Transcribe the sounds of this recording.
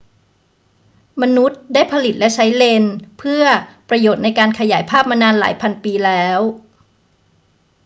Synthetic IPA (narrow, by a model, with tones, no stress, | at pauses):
ma˧nu˦˥t̪̚daː˥˩jpʰa˧li˨˩t̪̚lɛ˦˥t͡ɕʰa˦˥jle˧npʰɯ˥˩ɐpɾa˧joː˨˩t̪̚na˧jkaː˧nkʰa˧ja̰ː˩˦jpʰaː˥˩p̚ma˧naː˧nla̰ː˩˦jpʰa˧npiː˧lɛː˦˥w